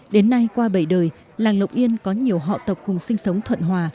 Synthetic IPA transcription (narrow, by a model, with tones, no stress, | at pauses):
ɗe˨˦nːa˧jkwaː˧ɓə˧˩jɗəː˨˩j | laː˨˩ŋlə˨˩wk͡p̚ʔi˧ənkɔ˨˦ɲi˨˩əwɦɔ̰˧˨t̪ə˨˩wk͡p̚kʊ˨˩ŋ͡msï˧ŋ̟sə˨˦wŋ͡mt̪ʰwə̰˧˨nɦwaː˨˩